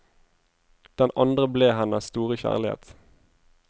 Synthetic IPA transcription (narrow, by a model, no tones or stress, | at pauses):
d̪̥ɛnɑnd̪ʁəbleːɦɛnəsst̪uːʁəçæ̰ːʁlɪhḛːt̪